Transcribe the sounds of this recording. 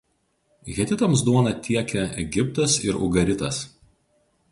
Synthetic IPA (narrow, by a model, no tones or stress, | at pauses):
ɣʲɛt̪ʲɪt̪ɐmsd̪uɔnɐt̪ʲiɛkʲɛɛɡʲɪp̚t̪ɐsɪɾʊ̰ɡɐɾʲɪt̪ɐs